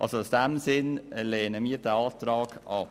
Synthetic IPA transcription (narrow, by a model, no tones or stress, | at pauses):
ʔɑ̰lsoʊsd̥æmsɪnleːnəmiːədæɑːt̪ɾɑːɡ̥ʔɑp